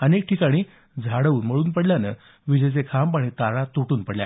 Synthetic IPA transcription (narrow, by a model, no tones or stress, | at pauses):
ənek̚ʈʰikaɽ̃iː | d͡zʱaɽəuːnm̤əɭuːnpəɽljanə̰ | ʋid͡ʑəjt͡sekʰampaɽ̃it̪aɾat̪uʈuːnpəɽlja̰